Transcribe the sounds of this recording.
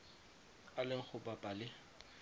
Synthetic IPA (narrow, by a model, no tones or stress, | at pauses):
alɪŋ̩k͡xʰʊpapʼalɪ